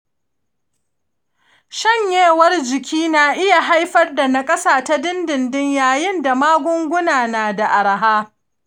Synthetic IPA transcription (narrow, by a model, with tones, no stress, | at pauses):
ʃɐ˦˨ɲjeː˦˨wɐ˦rd͡ʒɪ˨kʲiː˦na˨ʔɪ˦ja˨ɦa˦jɸɐ˦rda˨na˨kʼɐ˦saː˨ta˦dɪ˦ndɪ˨ndɪ˦ɲjaː˨jɪ˦nda˨maː˦ɡʷʊ˦ŋɡʷʊ˦naː˨naː˨da˨ʔa˨ɽa˨ɦaː˦